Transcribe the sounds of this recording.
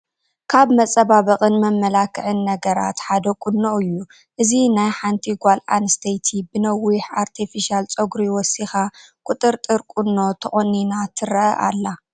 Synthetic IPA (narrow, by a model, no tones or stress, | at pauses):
kʰaβmɐt͡sʼɐβaβɐqʼɨnmɐmːɐlakʰɨʕɨnːɐɡɐɾa̰t̪ħad̪ɐkʼunːoɨjːu | ʔɨzinajħant̪ʰiɡʷalʔa̰nst̪ʰɐjt̪ʰibɨnɐwːiħaɾt̪ʰifiʃialt͡sʼoɡɾiwɔsixakʷʼut̪ʼɨɾt̪ʼɨɾkʼunːo̞t̪ʰɐχʼonːinat̪ʰɨɾɐʔɐʔa̰lːa